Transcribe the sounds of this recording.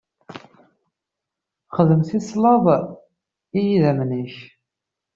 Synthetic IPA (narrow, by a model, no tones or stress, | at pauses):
χəðəmθislɑv | ijiðæmniç